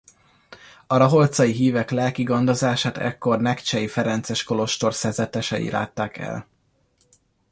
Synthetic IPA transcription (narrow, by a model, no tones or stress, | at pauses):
ɒɾɒɦo̞lt̪sɒjiɦiːvɛklɛlkiɡond̪ozaːʃaːt̪ɛ̰kːo̞rnɛkt͡ʃɛjifɛɾɛnt̪sɛʃko̞lo̞ʃt̪o̞rsɛrzɛt̪ɛʃɛḭla̰ːt̪ːaːkɛ̰l